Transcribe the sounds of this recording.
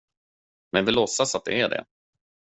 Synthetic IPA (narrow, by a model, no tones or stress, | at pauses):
mɛnvɪlɔsːasat̪̚d̪ɛ̰æɖɛ̰